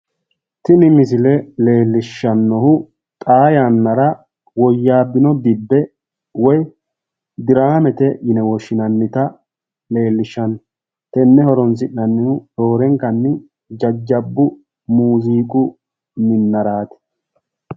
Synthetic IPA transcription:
t̪ɪnɪmɪsɪlɛle̞ːlːɪʃːɐnːɔhʊ | t̪ʼaːjanːɐɾɐ | wɔjːaːbːɪnɔd̪ɪbːɛ | wɔj | d̪ɪɾaːmɛt̪ɛjɪnɛwɔʃːɪnɐnːɪt̪ɐ | le̞ːlːɪʃːɐn | t̪ɛnːɛhɔɾɔns̬ɪnːɐnːɪhʊdo̞ːɾɛŋkːɐnːɪ | d͡ʒɐd͡ʒːɐbːʊ | muːziːkʼʊ | mɪnːɐɾaːt̪ɛ̥

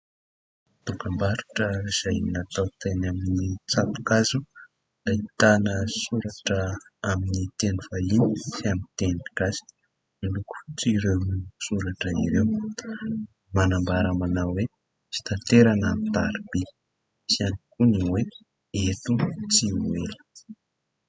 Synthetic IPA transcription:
t̪ukambaɾuʈ͡ʂəiz̥ajnat̪awt̪enaminit͡sat̪u̥kazu | d̪ait̪anəsuɾaʈ͡ʂəaminit̪enuvalinisamit̪enɡ̥azi̥ | miluku̥fit͡siɾinisuɾaʈ͡ʂəiɾew | manambaɾamanawwe | si̥t̪ant̪eɾanamt̪a̰ɾib̥i | sianikuniwe | et̪ut͡siuelə̥

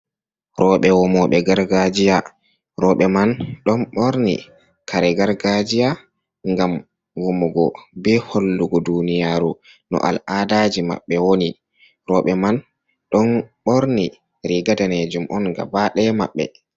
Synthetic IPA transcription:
ɾɔɓɛwɔmɔɓɛɡaɾɡad͡ʒija | ɾɔɓɛmanɗɔnɓoɾnḭ | kʰaɾɛɡaɾɡad͡ʒija | ŋɡam | wumuɡɔbɛholːuɡɔdunijaːɾu | nɔ̰ʔa̰ladad͡ʒima̰ɓːɛwoni | ɾɔːɓɛman | ɗɔnɓoɾni | ɾiɡadaned͡ʒumʔɔnɡa̰baɗɛma̰ɓːɛ̰

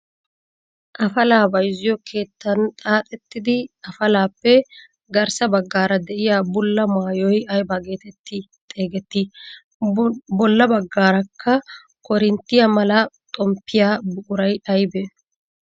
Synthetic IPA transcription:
ʔɐfɐlaːbɐjzːɪjɔkʰe̞ːt̪ːɐnt̪ʼaːt̪ʼɛt̪ːɪd̪ɪɐfɐlaːpːɛ | ɡɐɾsɐbɐɡːaːɾɐd̪ɛʔɪjaːbʊlːɐmaːjɔjɐjbaːɡe̞ːt̪ɛt̪ːɪ | t̪ʼe̞ːɡɛt̪ːi | bɔlːɐbɐɡːaːɾɐkʰːɐ | kɔɾɪnt̪ːɪjɐmɐlɐt̪ʼɔmpːɪjaːbʊkʼʊɾɐjɐjbɛ

